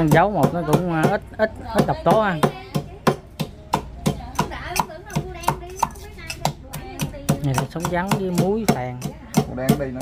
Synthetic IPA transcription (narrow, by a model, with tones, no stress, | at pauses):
zə˨˦wmo˨˩t̚nɔ˨˦kʊ̰˧˥wŋ͡mʔi˦˥t̚ʔi˦˥t̚ʔə˦˥t̚ɗa˨˩wk͡p̚t̪o˨˦ha˧ | ɲa˨˩la˨˩sa˨˦wŋ͡mza˨˦ŋɗi˧mu˨˦jfaː˨˩ŋ˨ | ɗa˨˧ŋɗi˧˦